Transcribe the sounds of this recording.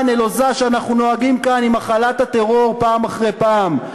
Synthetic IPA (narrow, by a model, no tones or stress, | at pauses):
nelo̞zaʃeanaχnuno̞aɡimkanimaχalat̪at̪e̞ʁo̞ʁpaːmaχʁe̞jpaːm